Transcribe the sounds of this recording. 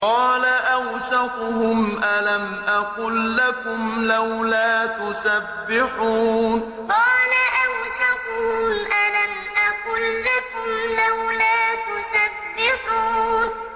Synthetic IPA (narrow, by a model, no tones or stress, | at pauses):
qɑːlaʔawsaqʊɦʊmʔalamʔaqʊlːakʊmlawlaːt̪ʊsabːɪħuːn | qɑːlaʔawsaqʊhʊmʔalam | ʔaqʊlːakʊmlawlaːt̪ʊsabːɪħuːn